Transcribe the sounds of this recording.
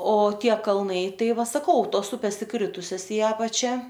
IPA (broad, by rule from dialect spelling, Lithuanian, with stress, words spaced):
oː ˈtʲiɛ kɐlˠˈnɐɪ ˈtɐɪ ˈʋɐ sɐˈkɐʊ ˈtoːs ˈʊpʲeːs ɪˈkrʲɪtʊsʲɛs ɪ ˈɑːpɐt͡ʃʲɛ